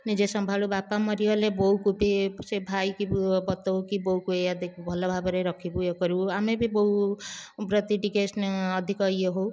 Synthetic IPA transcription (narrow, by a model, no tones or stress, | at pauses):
nid͡ʒesʌmbʱalubapamʌɾijɔlebɔukubisebʱajkibbʌt̪ɔwkibɔukuead̪ekʰubʱʌlɔbʱabɔɾeɾʌkʰibuekɔɾuamebʱibɔu | bɾʌt̪iʈikesnːd̪ʱikɔjeɦow